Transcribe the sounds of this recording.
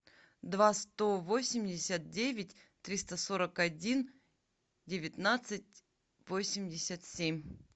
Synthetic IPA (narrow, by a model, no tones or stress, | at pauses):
d̪vast̪o̞vo̞sʲɪmʲdʲɪsʲət̪̚dʲevʲɪtʲ | t̪ɾʲist̪əso̞ɾəkɐdʲin | dʲɪvʲɪt̪nat̪sɨt̚ʲ | vosʲɪmʲdʲɪsʲət̪sʲemʲ